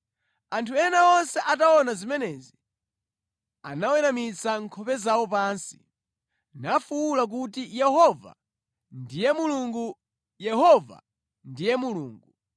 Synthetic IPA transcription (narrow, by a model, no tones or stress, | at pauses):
antʰuɛnaɔnsɛʔataɔnazimɛnɛzi | a̰nawɛɾamit͡saŋkʰɔpɛzawɔpaːnsi̥ | nafuulak̬utijɛɦɔva̰ | ndijɛmuluŋɡu | jɛɦɔva̰ | ndijɛmuluːŋɡu